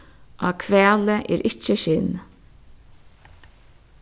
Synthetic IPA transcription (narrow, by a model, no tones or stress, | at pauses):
ʔokʰʋɛːləʔɛ̰ːɾʔɪt͡ʃəʃɪn